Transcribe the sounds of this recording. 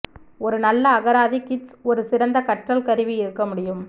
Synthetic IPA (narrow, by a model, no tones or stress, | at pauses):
ɔɾɯnɐlːɐːɣɐɾaːðikɪʈsɔɾɯsɪɾɐnd̪ɐkɐʈrɐlkɐɾɪʋiɪɾɯkːɐmʊɽɪjɯm